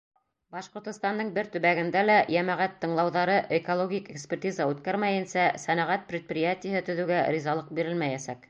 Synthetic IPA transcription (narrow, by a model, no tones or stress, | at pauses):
bɑʃqŏɾt̪ŏst̪ɑnd̪ɤɴbɘɾt̪ɵ̆βæɡɘ̆nd̪ælæjæmæʁæt̪ːɤ̆ɴlˠɑwðɑɾɤʔekolˠoɡʲikekspʲɪrtʲizɑʉt̪kæɾmæjɘnsæsænɑʁæt̪̚pɾʲɪt̪̚prʲɪjat̪ʲɪjəɦɘt̪ɵ̆ðʉ̆ɡæɾʲizɑlˠɤq̚biɾɘlmæjæsæk